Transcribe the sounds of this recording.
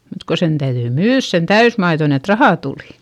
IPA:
mut ko sen tæyðyi myːðs sen tæysmɑiðon et rɑhɑˑ tuˑli

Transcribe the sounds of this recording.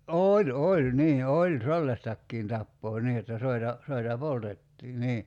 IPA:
ʔoːlʲ olʲ niː olʲ selːɑstɑkːiːn tɑpːoː niː jotːɑ soitɑ soitɑ poltetːiː niː

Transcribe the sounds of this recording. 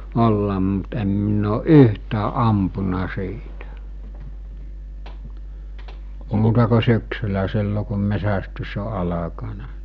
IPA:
olːɑm mut em minː oːʔ ʔyhtæːʔ ʔɑmpunɑ siːtæ muːtɑ ko syksylæ silːo kum mesæstys o ɑlɑkɑnɑ

